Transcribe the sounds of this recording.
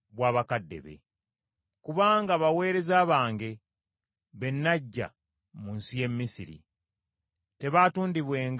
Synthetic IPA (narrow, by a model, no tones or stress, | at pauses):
βwaːβakadːe̞̰βe̞̰ | kuβaːŋɡaβawe̞ːɾe̞zaːβaːŋɡe̞ | βe̞nːaɟːa̰ | muːnsije̞mːisiɾḭ | te̞βaːtuːndiβwe̞ːŋɡ